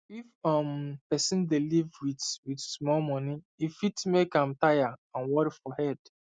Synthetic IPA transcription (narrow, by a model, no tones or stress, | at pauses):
ifɔmpɛsĩndelivwidwidsmɔlmɔni | ifitmekãmtajaãnwɔɾifɔhɛd̥